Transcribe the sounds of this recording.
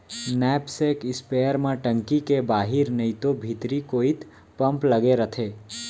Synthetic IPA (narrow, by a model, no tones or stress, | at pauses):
nɛːpsekɪspeːjəɾmẽʈə̃ŋkikebaːɦɪɾnəĩt̪obʱit̪ɾikoːit̪ | pə̃mpləɡeɾət̪ʰeː